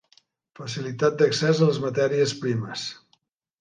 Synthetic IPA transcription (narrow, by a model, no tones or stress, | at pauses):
fəsilit̪at̪̚d̪əksɛzələzmət̪ɛɾiəspɾiməs